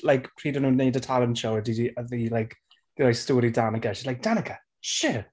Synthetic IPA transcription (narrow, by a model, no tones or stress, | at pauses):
lajkpʰr̥iːdənuːnːeɨdətʰalˠənʃowədidiəðilajk | d̥ɪlajstoːɾidanəɡɛʃilajk̚d̥anəɡa | ʃɪ